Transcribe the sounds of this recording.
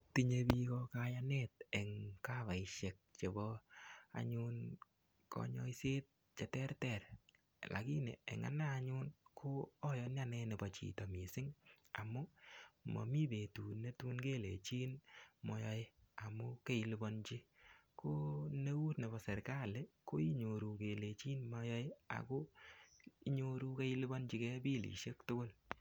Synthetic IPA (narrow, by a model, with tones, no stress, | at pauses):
ti˧ɲe˧bi˧kɔ˧kaja˦nɛtɛ˨ŋka˦βa˨ɪʃe˨k̚t͡ʃe˨bɔ˦a̰˨ɲʊ˦n | kɔ̰˨ɲɔ̰˦i˦se˦t̚ | t͡ʃe˨tɛ˦rtɛ˨ɾ | lʔa̰˨ki˦nḛ˨ḛ˨ŋa̰˦na˦a˨ɲʊ˦nkʰo˦ɔ˦jɔ˧˦nja˦nɛ˧ne˨bɔ˨t͡ʃḭ˨tɔ˨mi˨sɪ˦ŋa˨mʊ˦mɔ̰˨mi˦be˨tu˨ne˦tu˦nke˦lḛ˨t͡ʃi˦nmɔ˧jɔ˦je˦a˨mʊ˦ke˦i˨li˦bɔ˧nt͡ʃi˦ko˦ne˦wu˦tne˨bɔ˨sɛ˨ɾka˦le˦ko˦i˦ɲo˨ɾu˨ke˨le˨t͡ʃi˦nmɔ˧jɔ˦je˦a̰˨ko˦ | i˦ɲo˧ɾu˦ke˦i˦li˦bɔ˦nt͡ʃi˦kɛ˦bi˦lḭ˨ʃe˦ktʊ˦ko˦l